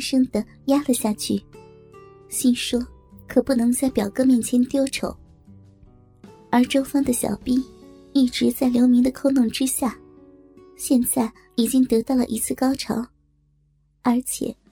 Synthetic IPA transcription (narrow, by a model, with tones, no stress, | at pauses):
ʂɤ˥ŋd̪ə˨ | ja˥lə˧ɕja˥˧t͡ɕʰy˥˩ | ɕi˥˩nŋʂwɔ˥ | kʰɤ˨˩pu˥˩nɤ˧˥ŋt͡sa˥˩ɪpjɑ˨˩ʊkɤ˥˧mjɛ˥˩nt͡ɕʰjɛ˧˥nt̪jo˥˩ʊʈ͡ʂʰo˨˥˦ʊ | ə˞˧˥ʈ͡ʂo˥ʊfɑ˥ŋd̪ə˨ɕjɑ̰˨˩ʊpi˥ | i˥˩ʈ͡ʂɻ̩˧˥t͡sa˥˩ɪljo˧˥ʊmi˧˥ŋd̪ə˧kʰo˥˧ʊnʊ˥˩ŋʈ͡ʂɻ̩˥ɕja˥˩ | ɕjɛ˥˧nt͡sa˥˩ɪ | i˨˩t͡ɕi˥ŋt̪ɤ˧˥t̪ɑ˥˩ʊlə̰˨˩ʔi˧˥t͡sʰɹ̩˥˩kɑ˥ʊʈ͡ʂʰɑ̰˧˥ʊ | ə˞˧˥t͡ɕʰjɛ̰˨˩˦